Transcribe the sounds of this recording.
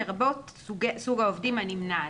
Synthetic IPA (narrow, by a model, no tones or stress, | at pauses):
eʁbot̪ɡsuɡaovdimanimna